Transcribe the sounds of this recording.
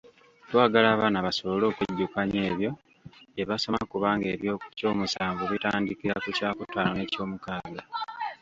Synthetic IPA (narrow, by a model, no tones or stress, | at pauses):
twaːɡalaːβaːnaβaso̞βolo̞ːkweɟːukaɲe̞ːβjo̞ | eβaso̞ma̰kuβaːŋɡe̞βjoco̞ːmusaːɱvuβitaːndikiɾakucaːkutːaːnone̞co̞ːmukaːɡa